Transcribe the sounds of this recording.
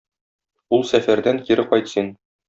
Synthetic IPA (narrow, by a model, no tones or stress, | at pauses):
ulˠsæfæɾd̪æŋkiɾɘqɒjt̪sin